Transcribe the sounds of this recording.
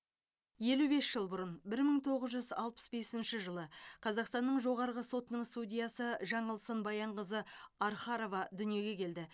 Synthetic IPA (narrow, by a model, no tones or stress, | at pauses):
je̞lube̞sʒ̥əlˠbʊɾənbɪɾməŋt̪ʰo̞ʁəzʒʏzɑlˠpə̥sbe̞sɪnʃɪʒəlˠəqʰɑzɑqst̪ɑnːəɴʒo̞ʁɑɾʁəso̞t̪ənəɴst̪ud̪ʲijɑsəʒɑɴəlˠsənbɑjɑɴʁəzəɑɾχɑɾo̞vɑd̪ʏnije̞ɡʲe̞kʲʰe̞ld̪ɪ